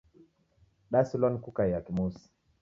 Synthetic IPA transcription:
ɗasulɔnkukajakimusi̥

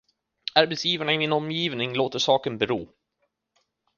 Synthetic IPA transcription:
aɾbɛt̪sjiːvaɳaɪmɪnɔmːjiːvnɪŋloːt̪əʂɑːkənbɛɾuː

